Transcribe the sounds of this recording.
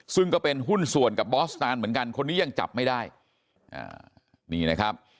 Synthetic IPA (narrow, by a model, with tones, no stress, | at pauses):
sɯ˥˩ŋkɔː˥˩pe˧nɦu˥˩nsu˨˩ənka˨˩p̚bɔː˦˥taː˧nmɯ˩˦ənka˧nkʰo˧nːiː˦˥ja˧ŋt͡ɕa̰˨˩p̚ma˥˩jdaː˥˩j | ʔa̰ː˧˩ | niː˧˩na˦˥kʰa˦˥p̚